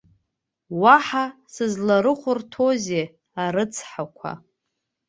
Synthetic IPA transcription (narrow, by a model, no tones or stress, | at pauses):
waħasɨzlaɾɨχʷʊrtʰoze | aɾɨt͡sʰħakʷʰa̰